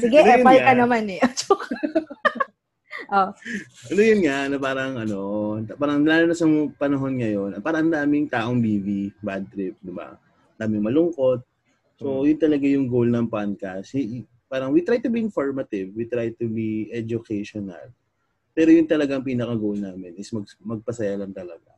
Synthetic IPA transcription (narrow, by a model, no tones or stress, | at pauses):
sɪɡɛʔpalɐnɐmanɛʔɐt͡ʃʊk | ʔo | ʔɐnojʊnŋaʔnopaːɾɐŋʔɐno̞t̪paːɾɐŋlaːlɐnɐsɐŋpɐnɐɦo̞nŋɐjo̞nɐpaːɾɐʔɐnd̪aːmɪŋt̪aːʔo̞ŋbiːvibad̪̚t̪ɾɪp̚d̪ɪba̰ | nd̪aːmɪŋmɐlʊŋko̞t̪̚ | so̞jʊnt̪ɐlɐɡajʊŋɡowlnɐŋpankɐshɪ | paːɾɐŋwit̪ɾajt̪ʊbiɪnfoɹmɐt̪ɪvwit̪ɾajt̪ubiʔɛd͡ʒʊkʰɛjʃonɐ̰l | pɛːɾojʊnt̪ɐlɐɡaŋpiːnɐkɐɡowlnaːmɪnʔɪsmɐɡmɐɡ̚pɐsɐjalɐŋt̪ɐlɐɡa̰